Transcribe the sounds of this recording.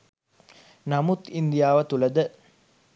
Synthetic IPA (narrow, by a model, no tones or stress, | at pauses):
namut̪ind̪ijaːʋət̪uləd̪ə